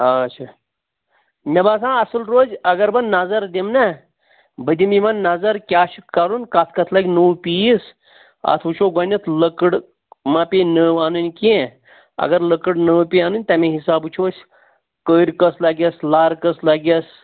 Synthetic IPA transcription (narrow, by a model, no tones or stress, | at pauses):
ɐt͡ʃʰaː | mʲɐbaːsãːɐsɨlɾoːzɐɡɐɾbɐnnazɐɾd̪imna | bəd̪imimɐnːazɐɾkʲaːʃukɐɾunkɐt̪ʰkɐt̪ʰlɐɡʲnuwpiis | ɐ̰t̪ʰut͡ʃʰoːɡɐnʲɐt̪ʰləkəɽ | mãːpenəːʋaːnunʲkie | ɐ̰ɡɐɾləkəɽnəpʲiaːnunʲt̪ɐmẽɦisaːbut͡ʃʰoːsʲ | kəːɾʲkɐslɐɡʲɐslaːɾkəslɐɡʲɐs